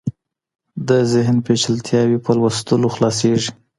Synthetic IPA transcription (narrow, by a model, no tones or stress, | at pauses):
d̪əzɪɦnpet͡ʃəlt̪ʰjɑwipəlwəst̪əloxlɑseʐi